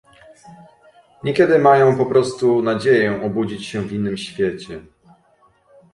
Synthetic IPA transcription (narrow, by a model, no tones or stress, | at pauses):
ɲɛkʲɛd̪ɘmajɔ̃w̃pɔpɾɔst̪unad͡ʑejɛ̃ʔɔbud͡ʑit͡ɕɕɛvʲinːɘmɕfʲjet͡ɕɛ